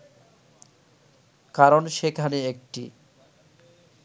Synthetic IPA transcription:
kaɾonʃekʰaniek̚ʈḭ

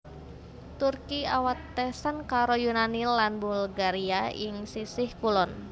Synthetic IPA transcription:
t̪urkiawat̪ːɛsənkaɾojunanilanbulɡaɾiajɪŋsisɪhkulɔn

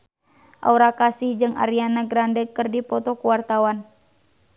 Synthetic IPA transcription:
ʔa̰uɾakasihd͡ʒɨŋa̰ɾianaɡɾandɛkɨrdipɔt̪ɔkuwart̪awan

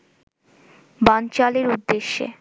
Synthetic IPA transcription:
bant͡ɕaleɾud̪ːeʃːḛ

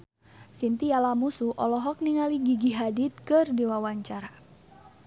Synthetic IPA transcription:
sint̪ijalamusuʔɔlɔɦɔk̚niŋaliɡiɡiɦadit̪̚kɨrdiwawaɲt͡ʃaɾa

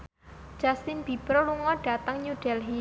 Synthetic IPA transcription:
d̥d͡ʒ̥ast̪inb̥ibəɾluŋɔɖ̥a̤t̪əŋɲuɖ̥ɛlɦi

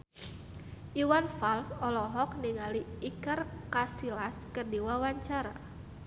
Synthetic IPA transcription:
ʔiwanfalsɔlɔɦɔk̚niŋaliːkarkasilaskərdiwawaɲt͡ʃaɾa

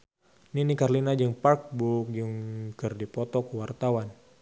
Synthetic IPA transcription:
ninikarlinad͡ʒəŋpark̚buk̚jəŋkɨrdipɔt̪ɔkəwart̪awan

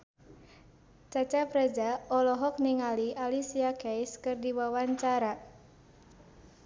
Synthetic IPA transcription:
t͡ʃat͡ʃapɾad͡ʒaɔlɔɦɔk̚niŋaliʔalisiakɛjskɨrdiwawaɲt͡ʃaɾa

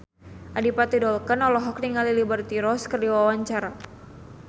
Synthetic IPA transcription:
ʔadipat̪idɔlkənɔlɔɦɔkniŋalilibərt̪iɾɔskərdiwawaɲt͡ʃaɾa

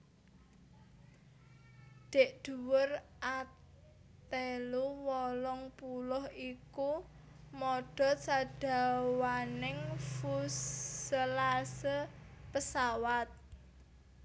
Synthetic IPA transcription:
d̪̥e̤ʔd̪̥ṳwʊrʔa | t̪eluwɔlɔŋpulɔhiku | mɔɖ̥ɔ̤saɖ̥a̤wanɪŋfusəlasəpəsawat̪̚

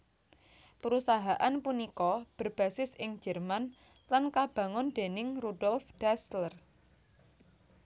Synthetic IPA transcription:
pəɾusaɦaʔanpunikɔb̥ə̤rb̥ä̤sɪsʔɪŋd͡ʒə̤rman | lankab̥ä̤ŋʊnd̪̥e̤nɪŋrudɔlfd̥aslər

